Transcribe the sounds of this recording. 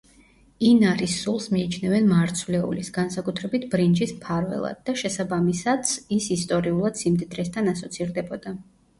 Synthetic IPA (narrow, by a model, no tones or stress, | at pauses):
inaɾisːulˠsmiːt͡ʃʰnɛvɛnmaːɾt̪sʰvlɛṵlisɡ̥ansakʼut̪ʰɾɛbit̪ʰbɾind͡ʒismpʰaɾvɛ̰lˠa̰d̪̚ːaʃɛsabamisat̪sisist̪ʼɔɾiulˠad̪̥simd̪id̪ɾɛst̪ʰanasɔt̪sʰiɾd̪ɛbɔd̪a